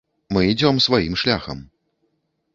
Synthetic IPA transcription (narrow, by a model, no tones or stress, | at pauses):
mɨid͡zʲɔmsvajimʂlʲa̰xɐ̰m